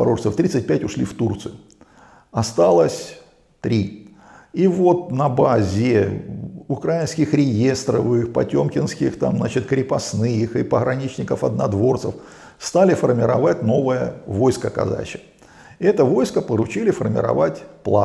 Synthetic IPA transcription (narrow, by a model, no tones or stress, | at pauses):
ɐ̰ɾoʐt̪əft̪ɾʲit̪sɨt̚ʲpʲætʲʊʂlʲift̪urt̪sɨjʊ | ɐst̪alˠəsʲ | t̪ɾʲi | ivo̞t̪̚nɐbazʲɪ | ʊkɾajɪnskʲɪxɾʲɪje̞st̪ɾəfixpɐtʲomkʲɪnskʲɪxt̪a̰mzat͡ɕɪt̪kɾʲɪpɐsnɨjɪxɨpəɣɾɐnʲit͡ɕnʲɪkəfɐ̰d̪nɐd̪vo̞rt̪səf | st̪alʲɪfərmʲɪɾɐ̰vatʲno̞vəjəvo̞jskəkɐ̰za̰t͡ɕɪ̥k | ɛt̪əvo̞jskəpəɾʊt͡ɕilʲɪfərmʲɪ̰ɾɐ̰vatʲplˠa̰